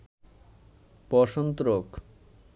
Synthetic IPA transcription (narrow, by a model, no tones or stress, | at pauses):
pɔʃont̪ɾok